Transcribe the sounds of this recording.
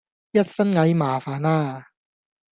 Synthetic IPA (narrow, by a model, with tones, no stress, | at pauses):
ji˦˥˩t̪̚sa˦˥nŋa˨˦˥jmaː˨˩˦faː˨˦naː˥˩